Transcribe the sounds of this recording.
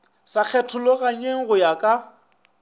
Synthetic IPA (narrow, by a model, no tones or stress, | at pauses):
sak͡xʰɛtʰʊlɔɣaɲeŋ̩ɣʊjakʼa